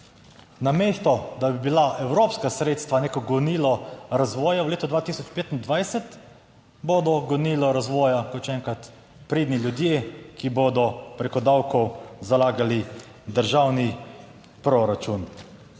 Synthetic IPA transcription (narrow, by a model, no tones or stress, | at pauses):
nameːst̪ɔd̪abibilaʔɛwɾoːpskasɾeːt̪st̪ʋaneːkɔɡɔniːlɔɾazʋɔːjawleːt̪ud̪ʋaːt̪isɔt͡ʃpeːt̪ind̪ʋajsɛt̪ | boːd̪ɔɡɔniːlɔɾazʋɔːjakɔt̪ʃɛŋkat̪ | pɾeːd̪nilʲjud̪jeːkiboːd̪ɔpɾekɔd̪awkɔwzalaːɡali | d̪əɾʒawni | pɾɔɾat͡ʃun